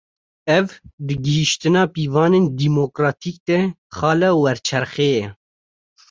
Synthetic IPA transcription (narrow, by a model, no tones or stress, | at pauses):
ɛvd̪ɨɡɪɦiʃt̪ɨnɑːpiːvɑːneːnd̪iːmokɾɑːt̪ʰiːk̚d̪ɛ | xɑːlɛːwɛɾt͡ʃʰɛɾxeːjɛ